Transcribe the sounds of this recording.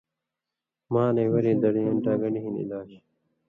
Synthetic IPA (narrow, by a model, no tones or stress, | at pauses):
maːneːwɐɾiːd̪ɐɽijɐnʈaːɡɐɳiɦinḭlaːɕ